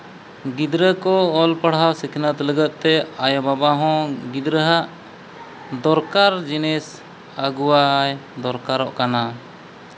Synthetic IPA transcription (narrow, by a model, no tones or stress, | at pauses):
ɡid̪ɾəkɔɔlpəɽɦawsikʰinat̪ɛləɡət̪̚ˀt̪ɛajɔbabaɦɔ̃ɡid̪ɾəɦaʔ | d̪ɔɾkaɾd͡ʒinɛs | əɡuwaːjd̪ɔɾkaɾɔʔkana